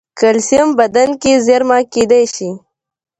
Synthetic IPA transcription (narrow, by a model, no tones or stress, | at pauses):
kəlsijəmbɐd̪ankizeɾmaked̪ajʃi